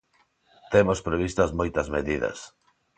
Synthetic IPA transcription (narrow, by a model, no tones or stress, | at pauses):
t̪emospɾeβ̞ist̪ɐzmojt̪ɐzmeðiðɐ̰s